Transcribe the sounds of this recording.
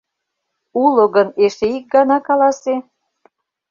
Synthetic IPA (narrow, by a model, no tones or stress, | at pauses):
ulŏɣəneʃeik̚ɡɑnɑkɑlˠɑse